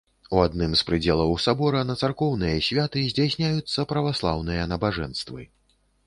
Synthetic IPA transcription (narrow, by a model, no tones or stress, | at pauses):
uad̪nɨmspɾɨd͡zʲɛlˠɐwsabɔɾɐnɐt̪sarkɔwnɨjɐsʲvʲat̪ɨzʲd͡zʲasʲnʲajut̪sːɐpɾɐvaslˠa̰wnɨjɐnɐbaʐɛ̰nst̪vɨ̰